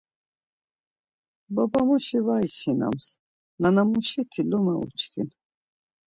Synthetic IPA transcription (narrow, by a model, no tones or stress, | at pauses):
babamuʃivaisina̰ms | nanamuʃit̪ʰilɔmɛṵt͡ʃkḭn